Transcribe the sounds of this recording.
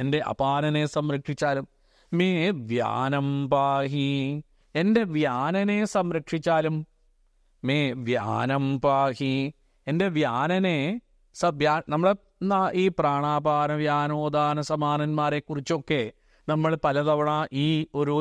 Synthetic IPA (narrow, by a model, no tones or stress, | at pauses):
ende̞ʔɐ̰paːnɐnesɐmɾɐkʂit͡ɕːaːlum | meːʋja̰ːnɐmpaːɦi | e̞nde̞ʋjaːnɐne̞sɐmɾɐkʂit͡ɕːaːlumː | eʋja̰ːnɐmpaːhi | ende̞ʋjaːnɐne | sɐʋjaːnɐmːɐɭe | naiːpraːɳaːbaːnɐʋjaːnoːd̪aːnɐsɐmaːnɐnmaːɾekːurit͡ɕːo̞kːe̞ | nɐmːɐɭpɐlɐðɐʋɐɳaːʔiːo̞ɾu